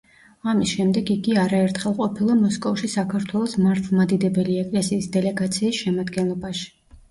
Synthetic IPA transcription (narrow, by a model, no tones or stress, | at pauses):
amisʃɛmd̪ɛɡiɡiaɾaɛɾt̪ʰχɛlˠqʼɔpʰilˠamɔskʼɔfʃisakʰaɾt̪ʰwɛlˠɔsmaɾt̪ʰlˠmad̪id̪ɛbɛliɛkʼlɛsiːsd̪ɛlɛɡat̪sʰiːsʃɛmad̪ɡɛnlˠɔbaʃi̥